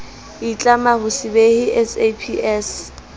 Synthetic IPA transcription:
it͡ɬʼamahʊsɪbehɪʔɛsepʰiɛs

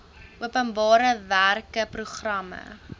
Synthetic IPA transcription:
ʔuəpənbɑːɾəværkəpruχrɐmə̰

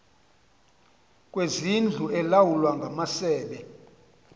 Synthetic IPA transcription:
kʼwezind͡ɮʱuɛlawulwaŋɡʱamasɛːɓɛ

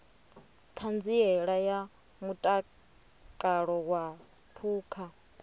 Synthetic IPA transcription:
t̪ʰand͡ziɛɺaja | mutʼa | kʼaɺɔwa | pʰuːkʰa

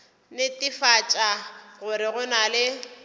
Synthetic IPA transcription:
nɪtʼɪfat͡ʃʼaɣʊɾɪɣʊnalɪ

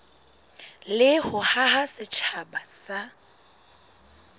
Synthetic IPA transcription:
lɪhʊhaɦasɪt͡ʃʰabasa

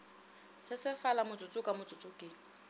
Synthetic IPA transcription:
sɪsɪfalamʊt͡sʼʊt͡sʼʊkʼamʊt͡sʼʊt͡sʼʊkʼɪ

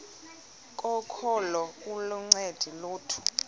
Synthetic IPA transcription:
kʼɔkʰɔlɔk̬ʼuluŋ͡ǀed̥ʱiluːtʰu̥

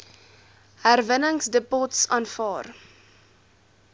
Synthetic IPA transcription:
hærvənəŋsdəpɔtsɑːnfɑːr

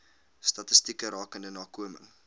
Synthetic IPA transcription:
stɐtəstikəɾɑːkəndənɑːkuəmə̰ŋ

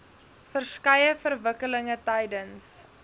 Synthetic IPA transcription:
fərskɐjəfərvəkələŋətɐjdəns

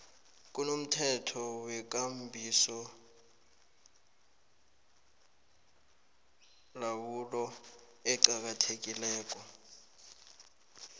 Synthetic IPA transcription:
k̬ʼunom̩tʰɛtʰɔwɛk̬ʼambʱisɔ | lawulɔ | ɛǃak̬ʼatʰek̬ʼilɛːk̬ʼɔ

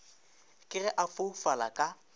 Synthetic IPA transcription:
kʼɪrɛʔafofalakʼa

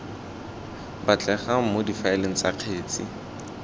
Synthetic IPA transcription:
bat͡ɬɛχamodifaɛleŋ̩t͡saq͡χʰeːt͡sɪ

